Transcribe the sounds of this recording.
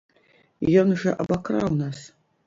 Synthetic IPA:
jonʐɐʔabakʰra̰wnas

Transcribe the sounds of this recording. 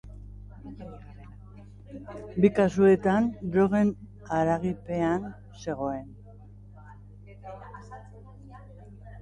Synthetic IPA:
bikasue̞t̪andɾoɣe̞n | aɾaɣipe̞an | se̞ɣ̞o̞e̞n

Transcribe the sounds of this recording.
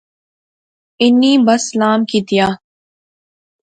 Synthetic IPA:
ɪnːiːbɐslaːmkiːt̪ijaː

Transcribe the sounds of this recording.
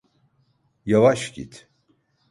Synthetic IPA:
javaʃɟḭt̪

